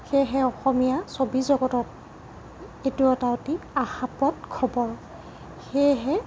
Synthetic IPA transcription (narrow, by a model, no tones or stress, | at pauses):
xejɦɛɔxɔmijasobizɔɡɔtɔt̚ | etuɔtaotiaxapɔtkʰɔbɔɹ | xejɦɛ